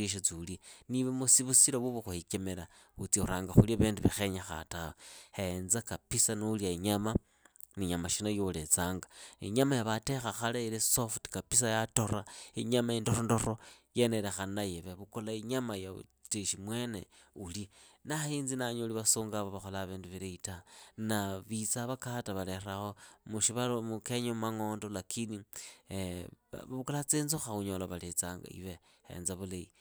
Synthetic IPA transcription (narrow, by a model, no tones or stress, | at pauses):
iʃ̬at͡siliniβemusiβusiɾoβuβoxuhikemeɾa | ut͡suɾaːŋɡaxulaβeːnduβexe̞ɲaxa̰tawohenzakapisanuliaiɲama | niɲamaʃinajolet͡saːŋɡaiɲamajaβatexaxalailesofti̥kapis̬ajatoɾaiɲamaindoɾondo̞rojenelexanajeβeβukolaiɲamajaṵteʃimwe̞nḛulinaiːnzinaɲoliβasuːŋɡaβoβaxolaβiːnduβiɾeitanaβit͡saβakataβaleraxo̞muʃiβalomukeɲomaŋo̞ːndolakʰini | ββukolat͡siːnzuxauɲolaβalet͡saŋɡa̰ḭβe | ḛnzaβuleḭ